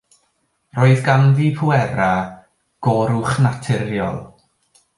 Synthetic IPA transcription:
roːɨðɡanviːpʰuɛɾa | ɡ̥ɔɾʊχnatʰɪɾjɔ̰lˠ

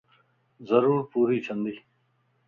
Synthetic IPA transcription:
zɐɾuːɾpuːɾiːt͡ɕʰɐ̃nd̪iː

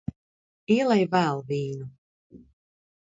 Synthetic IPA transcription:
iɛlˠɛjvæːlˠviːnu

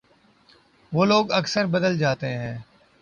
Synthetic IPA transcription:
ʋoːloːɡəksəɾbəd̪əld͡ʒaːt̪eɦɛ̃ː

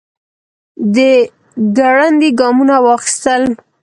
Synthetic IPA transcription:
d̪ə | ɡaɽand̪iɡɑmunawɑxi̥st̪əl

